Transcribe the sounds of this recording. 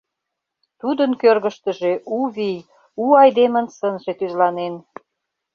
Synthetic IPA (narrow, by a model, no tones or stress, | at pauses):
t̪ud̪ənkørɣə̆ʃt̪əʒeʔuβij | uɑjd̪emə̆nsənʒet̪yzlɑnen